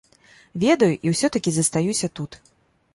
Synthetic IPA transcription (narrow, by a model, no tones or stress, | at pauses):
vʲɛd̪ɐjuʔiwsʲɔt̪ɐkʲizɐst̪ajusʲɐt̪ut̪